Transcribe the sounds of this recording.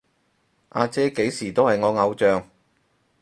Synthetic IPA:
ʔaː˧t͡sɛː˥ke˨˥jsiː˨˩t̪o˥whɐ˨jŋɔː˨˧ŋɐ˨˧wt͡ʃœː˨˧ŋ

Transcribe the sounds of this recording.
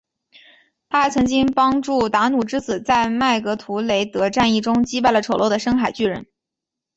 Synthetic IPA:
t̪ʰa˥xa˥ɪt͡sʰɤ˧˥ŋt͡ɕi˥ŋpɑ˥ŋʈ͡ʂu˥˩t̪a˧˥nu˨˩ʈ͡ʂɻ̩˥t͡sɹ̩˨˩t͡sa˥˧ɪma˥˩ɪkɤ˧˥t̪ʰu˧˥le˧˥ɪt̪ɤ˧˥ʈ͡ʂa˥˧ni˥˩ʈ͡ʂʊ˥ŋt͡ɕi˥pa˥˩ɪlə˩ʈ͡ʂʰo˨˩lo˥˩ʊd̪ə˩ʂɤ˥ŋxa˨˩ɪt͡ɕy˥˩ɻə̰˧˥n

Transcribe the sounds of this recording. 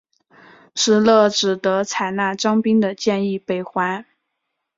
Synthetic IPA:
ʈ͡ʂɻ̩˨˩lɤ˥˩ʈ͡ʂɻ̩˨˩t̪ɤ˧˥t͡sʰa˨˩ɪna˥˩ʈ͡ʂɑ˥ŋpi˥ŋd̪ə˨t͡ɕjɛ˥˧ni˥˩pe˥˩ɪxwa˥n

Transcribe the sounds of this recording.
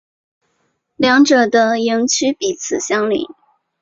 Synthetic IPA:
ljɑ˧˥ŋʈ͡ʂɤ˨˩d̪ə˧ji˧˥ŋt͡ɕʰy˥pi˨˩t͡sʰɹ̩˨˩ɕjɑ˥ŋlḭ˨˩˦

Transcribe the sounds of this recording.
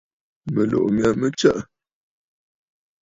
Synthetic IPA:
mə˨lo̰˨ʔmja˨mə˦t͡ʃə˦ʔ

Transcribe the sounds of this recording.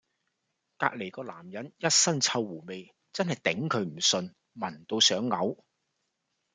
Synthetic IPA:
ka̰ː˧k̚le˨˩jkɔː˧laː˨˩mjɐ˨˥njɐ˥t̚sɐ˥nt͡sʰɐ˧wːuː˨˩me˨j | t͡sɐ˥nhɐ˨jt̪ɪ˨˥ŋkʰɵ˨˧˥ɥm̩˨˩sɵ˧n | mɐ˨˩nt̪o˧wsœː˨˥ŋːɐ˨˥w

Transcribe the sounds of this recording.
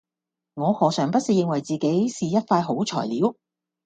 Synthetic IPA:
ŋɔː˨˧hɔː˨˩sœː˨˩ŋpɐ˥t̚siː˨˧jɪ˧ŋwɐ˨˩jt͡siː˨ke˨˥jsiː˨jɐ˥t̚faː˧jɦo˨˥wt͡ʃʰɔ̰ː˨˩jliː˨˥w

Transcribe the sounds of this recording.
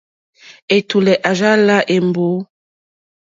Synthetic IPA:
e˨tu˨lɛ˨ʔa˨ʒa˦la˦ʔe˨mbo˨˦

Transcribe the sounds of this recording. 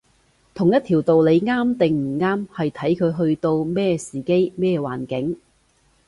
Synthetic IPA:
t̪ʰʊ˨˩ŋjɐ˥t̪ʰiː˨˩wt̪o˨wle˨˧jŋaː˥mt̪ɪ˨ŋm̩˨˩ŋaː˥mhɐ˨jt̪ʰɐ˨˥jkʰɵ˨˧ɥɦɵ˧ɥt̪o˧wmɛː˥siː˨ke˥jmɛː˥wa̰ː˨˩nkɪ˨˥ŋ

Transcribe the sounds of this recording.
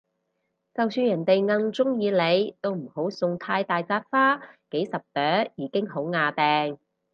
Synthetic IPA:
t͡sɐ˨wsyː˧njɐ˨˩nt̪e˨jŋɐ˧ŋt͡sʊ˥ŋjiː˨˧le˨˧jt̪o˥wm̩˨˩ho˨˥wsʊ˨˧ŋt̪ʰaː˧jt̪aː˨jt͡saː˧t̚faː˥ke˨˥jsɐ˨p̚t̪œː˨˥jiː˨˥kɪ˥ŋho˨˥wŋaː˨˧t̪ɛː˨ŋ

